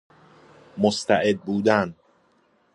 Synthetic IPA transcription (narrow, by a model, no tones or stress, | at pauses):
most̪ʰæʔed̪̚buːd̪æn